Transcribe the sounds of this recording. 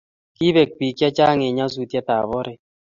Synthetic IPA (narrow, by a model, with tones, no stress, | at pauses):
ki˦be˨k̚pi˨kja˦t͡ʃa˦ŋe˨ɲa˦s̬u˦tja˦ta˨bɔ˦ɾe˦